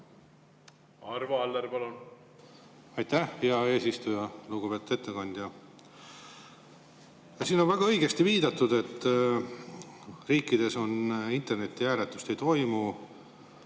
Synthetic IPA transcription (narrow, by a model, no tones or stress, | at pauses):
ɑɾvɑɑlːeɾpɑlun | ɑjt̪ːæhijɑe̞ːsist̪ujɑluːɡ̥upe̞ːt̪ud̪e̞t̪ːe̞kɑnd̪̥jɑ | jɑsiːno̞nvæɡ̥ɑɤjɡe̞st̪iviːd̪̥ɑt̪ːˑud̪e̞t̪ː | riːkːˑid̪̥e̞so̞nint̪e̞rne̞t̪ʲːiæːɾet̪ːˑu̥st̪e̞jt̪o̞jmu